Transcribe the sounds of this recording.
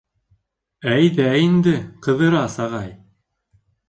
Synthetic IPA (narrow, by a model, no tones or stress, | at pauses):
æjðæjind̪ɘqɤ̆ðɤ̆ɾɑsɑʁɑj